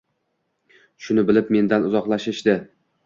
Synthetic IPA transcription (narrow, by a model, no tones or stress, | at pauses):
ʃʊnɪbɪlɪpme̞nd̪anʊzɒqlˠaʃɪʃd̪ɪ